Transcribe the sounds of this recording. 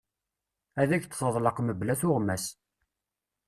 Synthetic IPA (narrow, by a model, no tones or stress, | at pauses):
æðæçt̪θəðˤləqməblæθʊʁmæs